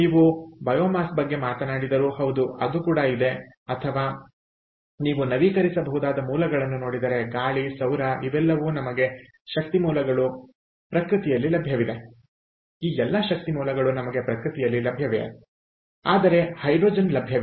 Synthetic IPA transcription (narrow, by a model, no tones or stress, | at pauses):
niːʋubɐjoːmaːsbɐɡːe̞maːt̪ɐnaːɽid̪ɐɾuhɐwd̪uɐ̰d̪ukuːɽɐid̪e̞ | ɐt̪ʰɐʋaː | niːʋunɐʋiːkɐɾisɐbɐɦud̪aːd̪ɐmuːlɐɡɐɭɐnːuno̞ːɽid̪ɐɾe̞ɡaːɭisɐwɾɐiʋɛlːɐʋuːnɐmɐɡe̞ | ʃɐk̚t̪imuːlɐɡɐɭu | pɾɐkɾɨt̪ijɐlːilɐbʱjɐʋid̪e̞ | iːɛlːɐʃɐk̚t̪imuːlɐɡɐɭunɐmɐɡe̞pɾɐkɾɨt̪ijɐlːilɐbʱjɐʋḛ | aːd̪ɐɾe̞hɐjɖɾoːd͡ʒɐnlɐbʱjɐʋ